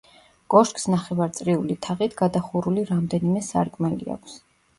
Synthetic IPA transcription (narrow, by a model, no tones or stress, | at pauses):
ɡʼɔʃkʼsnaχɛvaɾt̪sʼɾiulit̪ʰaʁit̪ʰɡ̥ad̪aχuɾuliɾamd̪ɛnimɛsa̰ɾkʼmɛlḭa̰kʷʰs